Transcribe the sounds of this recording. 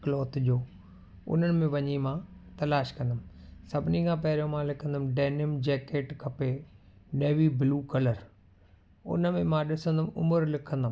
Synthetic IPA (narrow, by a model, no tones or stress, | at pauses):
klɔːt̪ʄoː | ʊ̰n̤ənɪ̆mẽʋɐɲimãːt̪ɐlaːʃkɐ̃nd̪əmɪ̆sɐbʱɪnikʰãːpɐɦɪɾjõmãːlɪkʰə̃nd̪əmɖeːnɪmd͡ʑɛːkeːʈkʰɐpe | neːʋibluːkɐləɾ | ʊ̰nə̆mẽmãɗɪsə̃nd̪əmʊməɾlɪkʰə̃nd̪əm